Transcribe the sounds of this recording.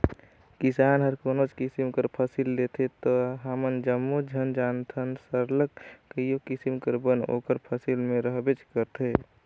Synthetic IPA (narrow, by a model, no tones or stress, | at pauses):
kisaːnɦəɾkoːnod͡ʒkisimkəɾpʰəsild̪et̪ʰet̪ɔɦaːmənd͡ʒəmːud͡ʒʱənd͡ʒant̪ʰənsəɾləkkəijokisimkəɾbəno̰ːkəɾpʰəsilmẽɾəɦbet͡ʃkəɾt̪ʰe